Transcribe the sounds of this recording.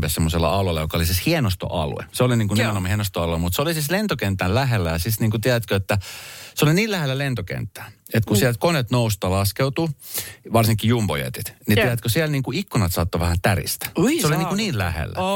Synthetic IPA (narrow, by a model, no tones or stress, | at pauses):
pesemːoselːɑ̰ɑlolːɑjokɑolisishienost̪o̰ʔɑ̰lṵḛseoliniːŋkunimenomhienost̪oɑluemut̪seolisislent̪okent̪ːællæɦelːæjɑsisniːŋkut̪iæðæt̪køet̪ːæseoliniːlæhelːælent̪okḛnt̪ːæːet̪kusiælt̪̚konet̪noust̪ɑlɑskeut̪uʋɑrsiŋkːijumbo̰jḛt̪it̪nit̪æɾæt̪køsiælniːŋkuikːunɑt̪sɑt̪ːoʋæhænt̪ærḭst̪æ̥seolinikuniːllæ̰hḛlːæ̰